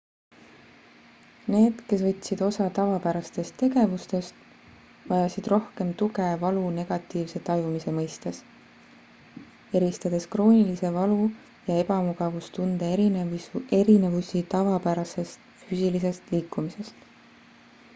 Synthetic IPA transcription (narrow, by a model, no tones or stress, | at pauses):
ne̞ːd̪̥ke̞svɤt̪ʲːˑsid̪̥o̞sɑt̪ɑvɑpæɾɑst̪e̞st̪ːe̞ɡe̞vust̪e̞st̪ | vɑjɑsid̪̥ro̞hke̞mt̪uɡe̞vɑlune̞ɡ̥ɑt̪ːˑiːvse̞t̪ɑjumise̞mɤjst̪es | e̞ɾist̪ɑd̪̥e̞skro̞ːnʲilise̞vɑlu | jɑe̞bɑmuɡ̥ɑvust̪und̪̥eie̞ɾine̞vusit̪ɑvɑpæɾɑse̞st̪fyːsʲilis̬e̞st̪liːkːumise̞st̪